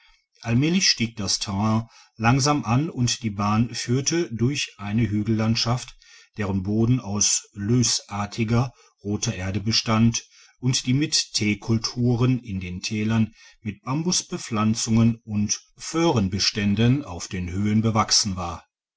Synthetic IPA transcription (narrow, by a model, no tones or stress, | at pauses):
ʔalmɛːlɪçʃtiːk̚d̥astʰɛʁɛ̃ː | laŋzaːmʔanʊntd̥iːbaːnfyːɐtʰədʊɐçʔaɪnəɦyːɡl̩lantʃaft | d̥eːʁənboːdn̩aʊsløːsʔaːɐtʰɪɡɐ | ʁoːtɐʔeːɐdəbəʃtant | ʔʊntd̥iːmɪttʰeːkʰʊltʰuːʁənɪndeːntʰɛːlɐn | mɪt̚b̥ambʊsb̥əflant͡sʊŋənʊntføːʁənbəʃtɛndəna̰ʊfd̥eːnhøːənbəvaksn̩vaːɐ